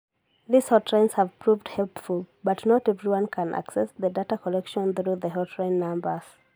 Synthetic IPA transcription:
ðiz̥hɔtʰɹẽɪ̃nz̥həv̥pʰɹuvdhɛlˠpfulˠbʌtnɔtɛvɹiwʌ̃nkʰə̃nʔa̰ksɛsðədatakʰɔlɛkʃə̃nθɹuðəɦɔtʰɹãɪ̃nːãmbə˞z̥

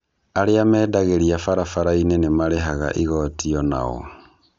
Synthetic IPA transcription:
aɾeamɛːdaɣeɾiafaɾafaɾainenemaɾeɦaɣa̰ʔiɣɔtiɔna̰ɣɔ̰

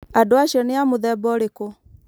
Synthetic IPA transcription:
adoaʃiɔneamoðɛbɔɾeko

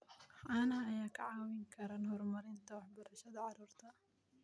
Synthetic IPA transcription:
fʔaːnɦɐɐjaːkʰɐʕɑːwɪŋkʰɐɾaːnɦɔrmɐɾɪnt̪ʰɐwɑħbɐɾɐʃɐðɐʕɑɾuːrt̪ʰɐ

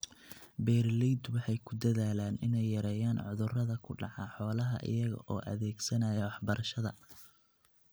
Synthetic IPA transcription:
bɛːrlɛjd̪wɑħɑjkʰʊd̪ɐðaːlaːnɪnɛjːɐɾɛːjaːnʕʊðʊrɐðɐkʰʊɖɑ̰ʕɑħɔːlɐɦɐ̰ʔɪ̰jɐɣɐ̰ʔɔ̰ːʔɐ̰ðɛːɡsɐnajɛwɑħbɐɾʔɐʃɐðɐ̰

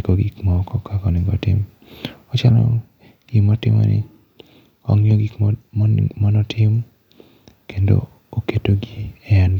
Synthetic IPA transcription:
koɡikmɔkɔkʰakɔnɪɡɔ̰tɪ̰m | ɔt͡ʃalɔ̰ | ɡ̥imɔtɪmɔ̰nɪ̰ | ɔ̰ŋjoɡi | mɔnɔtʰɪm | kendo̰ | oketoɡiɛand

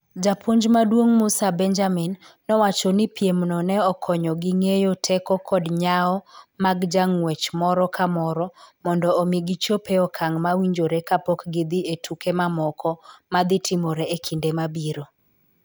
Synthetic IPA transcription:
d͡ʒapʰoɲd͡ʒmadwoŋmʊsabɛnd͡ʒaminː | ɔwat͡ʃɔnɪpjemnɔnɛɔkʰɔɲɔɡiŋejotʰɛkɔkɔdɲaɔmaɡd͡ʒaŋwɛt͡ʃmɔɾɔkʰamɔɾɔmɔndɔomiɡit͡ʃopeɔkʰaŋmawiɲd͡ʒoɾekapɔkɡɪd̪ietukemamɔkʰɔmad̪ɪtʰɪmɔɾɛekʰindemabiɾo

